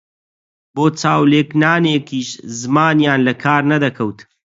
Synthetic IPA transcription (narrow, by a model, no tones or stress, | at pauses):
boːt͡saːwleːknaːneːkʰiːʃzɨmaːnjaːnlɐkʰaːɾnɐd̪ɐkʰɐwt̪